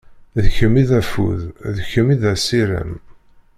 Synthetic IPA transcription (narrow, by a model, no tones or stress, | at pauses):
ðəçəmiðæfṵððçəmiðæsiɾə̰m